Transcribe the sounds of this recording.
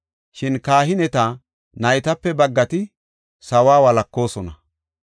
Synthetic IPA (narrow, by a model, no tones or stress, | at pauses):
ʃɪnkaːɦɪnɛt̪a | nɐjt̪ɐpːɛbɐɡːɐt̪ɪ | sɐwaːwɐlɐkːo̞ːsɔnɐ